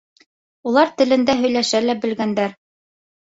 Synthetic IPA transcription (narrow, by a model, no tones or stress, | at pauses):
ulˠɑɾt̪ɘ̆lɘ̆nd̪æɦɵ̆jlæʃælæbɘ̆lɡænd̪æɾ